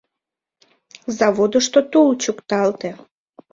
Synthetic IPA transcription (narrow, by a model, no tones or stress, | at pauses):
zɑβod̪əʃt̪ot̪ult͡ɕukt̪ɑlt̪e